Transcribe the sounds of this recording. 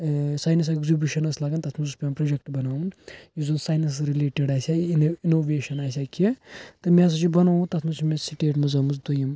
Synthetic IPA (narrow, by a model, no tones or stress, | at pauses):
saːjnɐs̬eɡzubʲjuʃɐnɐslaːɡɐnt̪ɐt̪ʰmɐzuspʲepɾɐd͡ʒɐk̚ʈbɐnaːũnjizunsaːjnɐs̬ɾileːʈeɖaːsʲainoːʋeːʃɐnaːs̬ʲakʰet̪ɨmʲẽs̬ɐt͡ʃibɐnaːũt̪ɐt̪ʰmɐt͡ʃʰimẽsiʈeːʈmɐzɐmus̬d̪ujɐm